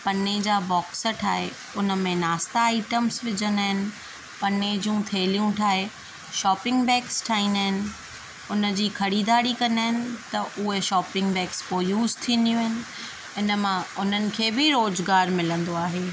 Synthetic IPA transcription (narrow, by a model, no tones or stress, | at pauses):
pɐned͡ʑaːbɔːksəʈʰaːɦe | ʊnə̆mẽnaːst̪aːɪʈəmsʋɪd͡ʑənd̪aːɦɪnɪ̆ | pɐned͡ʑũt̪ʰeːlijũʈʰaːɦe | ʃɔːpɪ̃ŋɡbɛːksʈʰaːɦĩːnd̪aːɦɪnɪ̆ | ʊnə̆d͡ʑiːkʰɐɾiːd̪aːɽikɐ̃naːɦɪnɪ̆t̪ɐʔʊɦeʃɔːpɪ̃ŋɡbɛːkspoːjuːzt̪ʰĩːnd̪ijũɦɪnɪ̆ | ɪnəmãʊn̤ənɪ̆kʰeːbɪɾoːzɡaːɾmɪlə̃nd̪oaːɦeː